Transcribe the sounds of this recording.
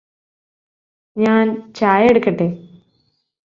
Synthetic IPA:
ɲaːnt͡ɕaːjeɽukːɐʈːeː

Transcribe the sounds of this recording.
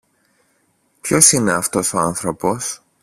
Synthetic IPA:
pço̞sineɐft̪o̞so̞ɐnθɾo̞po̞s

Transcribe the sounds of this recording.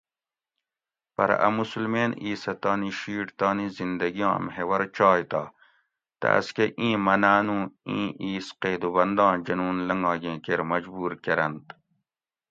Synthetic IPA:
pɐɾ̰ʔɐ̰musulmeːniːsɐt̪ɑːniɕiːʈt̪ɑːnizind̪ɐɡijɑ̰̃ːmɦewɐɾt͡ɕɑːjt̪aː | t̪ɐ̰ɐ̰skeʔĩːmɐnaːnũːĩːʔiːsqeːd̪ubɐnd̪ɑ̃ːd͡ʑɐnuːnlɐŋɡɑ̃ːɡẽːkeɾmɐd͡ʑbuːɾkeɾɐnt̪

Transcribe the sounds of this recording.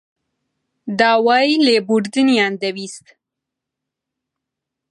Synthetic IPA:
d̪ɑwɑjlebuɾd̪inijɑnd̪awist̪

